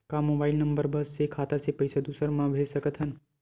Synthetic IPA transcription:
kamoːbaɪlnəmbəɾbəsːekʰaːt̪asepəjsad̪usəɾmãʋʱesəkət̪ʰɦən

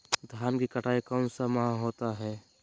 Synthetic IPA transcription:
d̪ʱjaːnkikəʈʰaːikaːnsamaãɦoːt̪aɦɛː

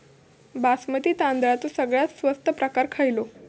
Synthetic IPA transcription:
basmət̪iːt̪ãnd̪ɾat̪ũsəɡɭjat̪sʋəst̪əpɾəkaɾkʰajlo

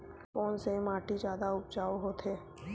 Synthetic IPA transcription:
foːnsemaːʈid͡ʒjaːd̪aʊp̚d͡ʒaːoɦot̪ʰɦeː

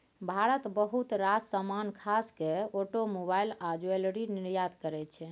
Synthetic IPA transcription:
bʱaɾət̪bəɦut̪ɾad͡ʒsəmankʰaskeoʈomobailad͡ʒuelɽiniɾjad̪kəɾɛt̪t͡ʃʰɛ

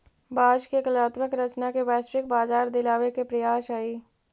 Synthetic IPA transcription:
baːd͡ʒkekəlaːt̪məkɾət͡ʃnakeʋɛːsɾɪk̚baːzaːɾd̪ɪlaːʋekepɾɐjaːʃaːiː

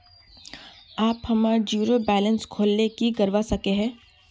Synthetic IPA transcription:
aːphɐmad͡ʒjuːɾobɛːlə̃nskʰoːlnekiɡɐɾʋasɐkeɦɛ̃ː

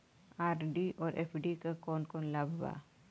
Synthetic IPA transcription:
aːɾɖiʔɔːɾʔḛːpʰɖikakɔːnkɔːnlabʱba̰

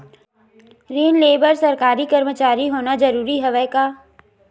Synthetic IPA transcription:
ɾiːnleːbəɾsɐɾkaːɾikəɾmət͡ʃaːɾiɦoːnad͡ʒɐɾuːɾiɦɛʋɛkaː

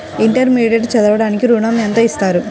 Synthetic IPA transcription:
iɳʈɐɾmiːɖeɖt͡ʃɐd̪ɐʋɐɽaːnikiɾuːnaːmiɐnt̪ɐːist̪aːɾu

